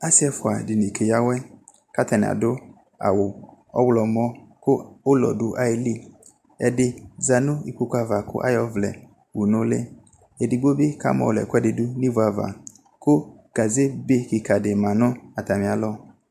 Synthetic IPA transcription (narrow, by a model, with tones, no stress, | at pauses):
a˦sɪ˦ɛ˦fʊ˨a˨dɪ˨ni˨kʰe˨ja˦wɛ˦ | ka˦tɛ˨n˨a̰˨dʊ˦ | a̰˨wʊ˨ | ɔ̰˦wlɔ˨mɔ˦kʊ˦ʊ˦lɔ̰˨dʊ˨ʔa˨ɪ˦li˦ | ɛ˨dɪ˦za˨nʊ̃˦i˨k͡pu˦kʷa˨va˨kʊ̰˦ʔa̰˦jɔ˦vlɛ̰˨ | wu˨nʊ̃˦lɪ̰˦ | ɛ˨dɪ˨ɡ͡bo˦bɪ˦ka̰˦mɔ̰˨lɛ̰˨kʊ˦ɛ˦dɪ˨dʊ˦ni˦vʊ˨a˨va̰˨ | kʊ˦ | ɡ̥a˨ze˦be˦kɪ˨ka˨dɪ˨mã˨nʊ̃˦a˨ta˨mɪ̃˨a˨lɔ˦